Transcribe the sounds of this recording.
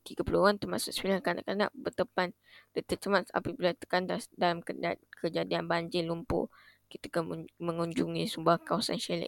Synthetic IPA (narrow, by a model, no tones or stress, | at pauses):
t̪iɡapuluant̪ərmasʊʔsə̥milankana̰ʔkana̰ʔbət̪əpan | dət̪əʔ̚t͡ʃəmasa̰pibilat̪ə̥kantasdalamkəkəd͡ʒadianbaɲd͡ʒɪlumpʊ̰ | kit̪əkaməŋuɲd͡ʒuŋisumbahkawasa̰nʃelɛ̰k̚